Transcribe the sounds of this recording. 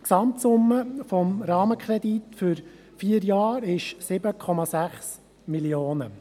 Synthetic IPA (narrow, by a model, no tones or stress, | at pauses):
ksɑmt̪sʊmːəfɔmɾɑːməkʰɾɛd̪it̪fʏɾ | fiːəɾjɑːɾɪʃsɪbəkʰɔmɑsæχs | miljoːnə